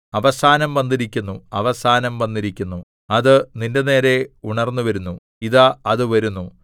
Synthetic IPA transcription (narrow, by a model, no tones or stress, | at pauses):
ɐʋɐsaːnɐmʋɐnd̪iɾikʲːunːuɐ̰ʋɐsaːnɐmʋɐnːiɾikʲːunːu | ɐðɨninde̞ne̞ːɾe̞uɳɐrnːuʋɐɾunːu | iðaːðɨʋɐɾunːu